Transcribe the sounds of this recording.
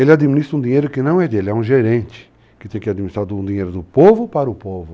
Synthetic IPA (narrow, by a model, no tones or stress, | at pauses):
elɪad̪iminist̪ɾɐũd̪iɲejɾʊkɪnɐ̃w̃ɛd̪elɪɛũʒeɾẽnt͡ʃɪ̥ | kɪ̥t̪ẽj̃kɪad̪minist̪ɾaɾd̪ũd̪iɲejɾʊd̪ʊpovʊpaɾɐʊpovʊ